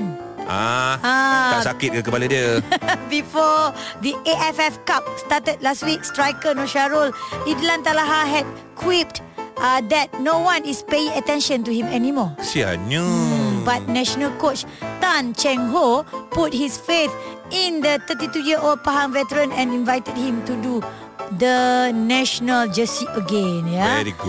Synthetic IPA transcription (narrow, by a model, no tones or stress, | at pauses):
a̰asakɪt̚kkəbpalədiəbifɔd̪iʔeʔɛfɛfkap̚statəd̚lastwik̚stɹajkə̃nɔʃaɹolidlãnt̪alaɦaɦɛd̚ | kʰwip̚t | ad̪ɛt̚nowãnispeĩŋətɛ̃nʃə̃ntuhĩmɛnimɔsia̰nubat̚nɛʃənəlkot͡ʃ | t̪ãnt͡ʃɛ̃ŋɦoput̚hisfeθ | ĩnd̪ət̪ət̬itujiəʔold̚paɦãŋvɛtəɹə̃nɛ̃nĩnvajtəd̚hĩmtudu | d̪ənɛʃənəld͡ʒəsiəɡẽnjaɛɾiɡu